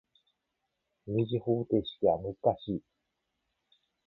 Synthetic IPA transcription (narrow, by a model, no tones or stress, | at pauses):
mʲiʑihoːt̪e̞ːɕi̥t̪eβamɯ̟zɨ̥kaɕiː